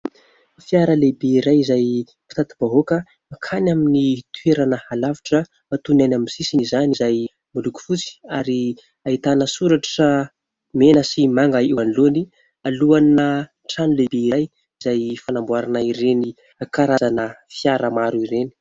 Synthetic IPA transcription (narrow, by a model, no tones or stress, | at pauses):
fjaɾəlebeiɾajizaj | pi̥t̪at̪ib̥aɦokə | akʰanaminit̪ʰueɾanəhalaviʈ͡ʂə | at̪unajnamisisinizanizaj | muluku̥fut͡si̥aɾi | ait̪anəsuɾaʈ͡ʂə | menəsimaŋɡaewanluni | aluanə | ʈ͡ʂanulebeiɾaj | izajfanambwaɾanaiɾeni | kaɾazanəfjaɾəmaɾuiɾeni̥